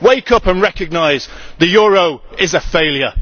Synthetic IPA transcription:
weɪkʌpə̃nɹɛkəɡ̚naɪzðəjɔːɹoʊɪzəfeɪlˠjə

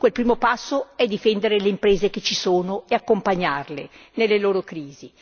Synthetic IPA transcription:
kwelpɾiːmopasːoɛd̪ifɛnd̪eɾeleimpɾeːzeket͡ʃisoːnoeakːompaɲːarlenelːeloːɾokɾiːzi

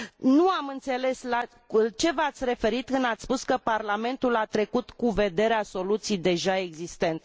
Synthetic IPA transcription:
nuamɨnt̪se̞le̞sla | t͡ʃe̞vəat̪sʲɾe̞fe̞ɾit̪̚kɨnd̪at̪sspuskəparlame̞nt̪ulat̪ɾe̞kut̪kuve̞d̪e̞ɾeaso̞lut̪sijd̪e̞ʒae̞ɡzist̪e̞nt̪

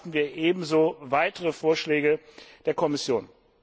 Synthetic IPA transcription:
tn̩viːɐʔeːbm̩zoːvaɪtəʁəfoːɐʃlɛːɡəd̥eːɐkʰɔmɪsjoːn

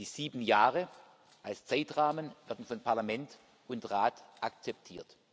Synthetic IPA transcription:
d̥iːziːbn̩jaːʁə | ʔalst͡saɪtʁaːmənvɛɐdn̩fɔnpʰaɐlamɛnt | ʔʊntʁaːtʔak̚t͡sɛp̚tʰiːɐt

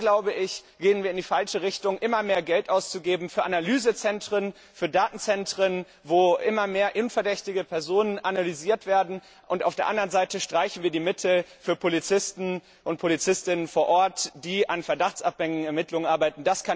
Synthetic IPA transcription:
ɡlaʊbəʔɪçɡ̥eːənviːɐɪndiːfalʃəʁɪçtʊŋʔɪmɐmeːɐɡɛltʔaʊst͡suɡeːbm̩fyːɐʔanalyːzət͡sɛntʁ̥ən | fyːɐdaːtn̩t͡sɛntʁ̥ən | voːʔɪmɐmeːɐʔɪnnfɛɐdɛçtɪɡəpʰɛɐzoːnənʔanalyziːɐtv̥eːɐdn̩ | ʔʊntʔa̰ʊfd̥eːɐʔandɐʁənzaɪtəʃtʁ̥aɪçn̩viːɐdiːmɪtʰl̩fyːɐpʰolit͡sɪstn̩ | ʔʊnt̚pʰolit͡sɪstɪnənfoːɐʔɔɐtd̥iːʔanfɛɐdaχt͡sʔap̚ɛŋŋɛɐmɪtlʊŋənʔaɐbaɪtn̩daskʰan

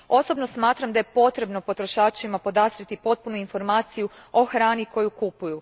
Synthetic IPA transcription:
o̞so̞bno̞smaːt̪ɾamd̪ajepo̞t̪ɾe̞bno̞po̞t̪ɾo̞ʃaːt͡ʃimapo̞d̪azɾit̪ipo̞t̪̚punuinfo̞ɾmaːt̪sijuo̞xɾaːniko̞jukupuju

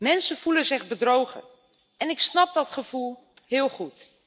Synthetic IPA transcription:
mɛnsənv̥ulənzɪχbədrowχə̰ | ɛnɪksnɑp̚dɔtχəv̥ulˠ | hɪːlˠχut

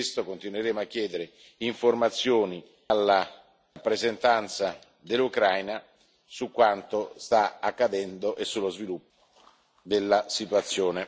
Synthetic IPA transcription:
st̪okont̪inweɾeːmoakːjɛːd̪eɾe | iɱformat̪sːjoːni | alːa | apːɾezent̪ant̪sa | d̪elːukɾajna | sukːwant̪ost̪aakːad̪ɛnd̪oʔesːulːozvilupːo | d̪elːasit̪wat̪sːjoːne

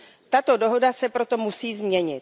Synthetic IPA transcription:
t̪at̪o̞do̞ɦo̞dasɛpɾo̞t̪o̞musiːzmɲɛɲɪt̪̚

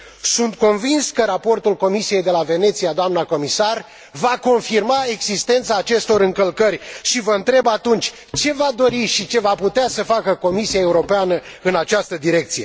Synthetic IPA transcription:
sunt̪̚ko̞nvinskəɾapo̞rt̪ulko̞misije̞jd̪e̞lave̞ne̞t̪sijad̪oamnako̞misar | vako̞nfirmae̞ɡzist̪e̞nt̪saːt͡ʃe̞st̪o̞ɾɨŋkəlkərʲʃivəɨnt̪ɾe̞bat̪unt͡ʃʲ | t͡ʃe̞vad̪o̞ɾiʃit͡ʃe̞vaput̪easəfakəko̞misijaeuɾo̞peanə | ɨnat͡ʃast̪əd̪iɾe̞k̚t̪sije̞

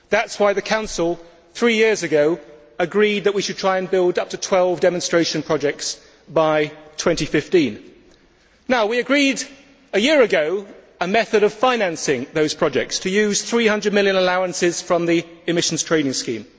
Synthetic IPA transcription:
ðætswaɪðɨkʰãʊ̃nsəl̩ˠ | θɹiːjɪəzɨɡoʊ | əɡɹid̪̚ðəʔwiʃɨd̚tʰɹ̥aɪə̃nbɪlˠdʌp̚tʰətʰw̥ɛlˠvdɛmə̃nstɹ̥eɪʃə̃npʰɹ̥ɒd͡ʒɛk̚ts | b̥aɪtʰw̥ɛ̃ntifɪftĩn | naʊwiəɡɹiɾ | əjɪəɹɨɡoʊ | əmɛθəɾəv̥fãɪ̃næ̃nsɪ̃ŋðoʊz̥pʰɹ̥ɒd͡ʒɛk̚tstʰəjʉːz̥θɹiːhʌ̃ndɹəd̚mɪlˠjə̃nəlaʊə̃nsɪz̥fɹə̃mðiɪmɪʃn̩z̥tʰɹ̥ẽɪ̃nɪ̃ŋskḭ̃ːm

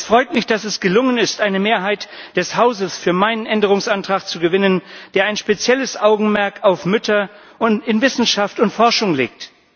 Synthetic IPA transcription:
sfʁ̥ɔʏtmɪçd̥asɛsɡ̥əlʊŋənɪstʔaɪnəmeːɐɦaɪtd̥ɛshaʊzəsfyːɐmaɪnənʔɛndəʁ̞ʊŋsʔantʁ̥aːkt͡suɡəvɪnənd̥eːɐaɪnʃpet͡sjɛləsʔaʊɡŋ̩mɛɐkaʊfmʏtʰɐ | ʔʊntɪnvɪsn̩ʃaftʊntfɔɐʃʊŋlḛːk̚t

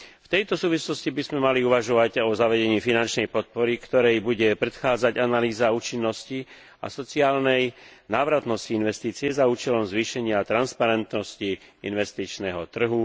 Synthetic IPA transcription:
ft̪ɛjt̪ɔsuːʋislɔscibizmɛmaliuʋaʒɔʋaɟɔzaʋɛɟɛɲiːfinant͡ʃnɛjpɔt̪̚pɔɾikt̪ɔɾɛjbuɟɛpɾɛt̪xaːd͡zaɟanaliːzauːt͡ʃinːɔsci | a̰sɔt͡siaːlnɛj | naːʋɾat̪nɔsciinʋɛst̪iːt͡sɪɛzauːt͡ʃɛlɔmzʋiːʃɛɲɪat̪ɾanspaɾɛnt̪nɔsci | inʋɛst̪it͡ʃnɛɦɔt̪r̩ɦu

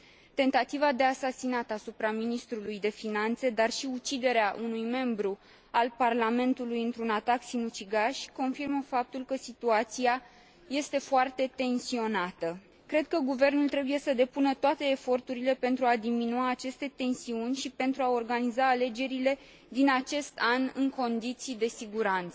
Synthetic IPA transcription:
t̪e̞nt̪at̪ivad̪e̞asasinat̪əasupɾaminist̪ɾulujd̪e̞finant̪se̞d̪arʃiut͡ʃid̪e̞ɾeaʔunujme̞mbɾu | alparlame̞nt̪ulujɨnt̪ɾunat̪aksinut͡ʃiɡaʃʲko̞nfirməfap̚t̪ulkəsit̪uat̪sia | je̞st̪e̞foart̪e̞t̪e̞nsio̞nat̪ə | kɾe̞d̪̚kəɡuve̞rnult̪ɾe̞bujesəd̪e̞punət̪oat̪e̞ːfo̞rt̪uɾile̞pe̞nt̪ɾuad̪iminuaːt͡ʃe̞st̪e̞t̪e̞nsiunʲʃipe̞nt̪ɾuao̞rɡanizaːle̞d͡ʒe̞ɾile̞ | d̪inat͡ʃe̞st̪anɨŋko̞nd̪it̪sijd̪e̞siɡuɾant̪sə

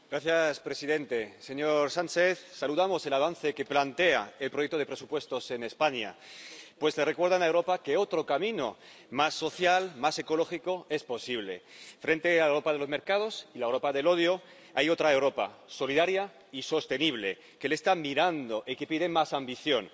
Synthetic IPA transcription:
ɡɾaθjaspɾe̞siðẽ̞nt̪eseɲoɾsant͡ʃeθsaluðamo̞se̞laβ̞anθeke̞plant̪eaelpɾojek̚t̪oepɾe̞supwe̞st̪o̞se̞nespaɲa̰pwe̞zle̞rekwe̞ɾð̞anaewɾo̞pakeot̪ɾo̞kamĩno̰ | masːo̞θjalmase̞ko̞lo̞xiko̞e̞spo̞siβ̞le̞̰fɾe̞nt̪e̞alewɾopaðelo̞zme̞ɾkað̞o̞silaewɾo̞paðe̞lo̞ð̞jo | ajo̞t̪ɾaewɾo̞pa̰so̞liðaɾja | iso̞st̪e̞niβ̞le̞̰ | kelest̪amiɾand̪o̞ʔikepið̞emasambiθjo̞n

